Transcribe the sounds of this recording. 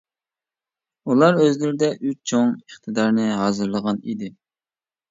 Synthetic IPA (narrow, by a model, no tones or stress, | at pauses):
ulˠɑɾøzlɪɾɪd̪ɛʔyt͡ʃt͡ʃʰoŋəχt̪ʰɨd̪ɑɾnɨɦɑːzɨɾlˠəʁɑnid̪ɪ